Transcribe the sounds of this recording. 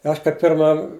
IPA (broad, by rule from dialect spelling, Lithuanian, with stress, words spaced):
ˈɐʃ kɐɪ ˈpʲɪrmɐ